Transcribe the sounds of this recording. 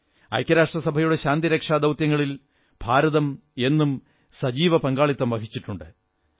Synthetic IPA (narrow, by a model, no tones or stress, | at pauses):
ɐ̰jkʲjɐɾaːʂʈrɐsɐbʱɐjuɽe̞ɕaːnd̪iɾɐkʂaːd̪ɐwt̪jɐŋːɐɭil | b̥ʱaːɾɐðɐm | e̞nːum | sɐd͡ʑiːʋɐpɐŋɡaːɭit̪ːɐmʋɐkit͡ɕːiʈːuɳɖɨ